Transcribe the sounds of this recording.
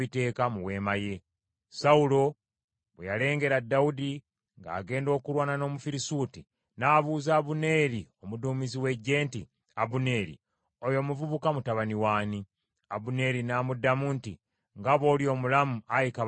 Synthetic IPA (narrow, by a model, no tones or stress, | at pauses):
ite̞ːkamuwe̞ːmaje̞ | saulo̞ | βḛjale̞ːŋɡe̞ɾadːaudi | ŋɡa̰ːɡe̞ːndo̞ːkuɾwaːnano̞ːmufiɾisuːti | naːβuːzaːβune̞ɾio̞muduːmiziwe̞ɟːe̞ːnti | aβune̞ːɾḭ | ojo̞muvuβukamutaβaniwaːni | abune̞ɾinaːmudːamuːnti | ŋɡaβo̞ːljo̞ːmulamuajika